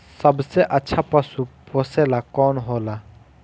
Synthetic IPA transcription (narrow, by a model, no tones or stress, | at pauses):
sɐbseʔɐːʃʰapɐsupoːseːlakɔːnɦoːla